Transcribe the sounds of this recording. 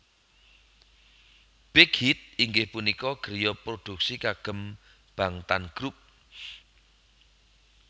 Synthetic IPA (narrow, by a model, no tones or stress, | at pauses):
b̥eɡhit̪̚iŋɡɪhpunikɔɡ̥əɾjɔpɾod̪̥ṳk̚sikaɡ̥ə̤m | b̥a̤ŋt̪anɡ̥ɾup̚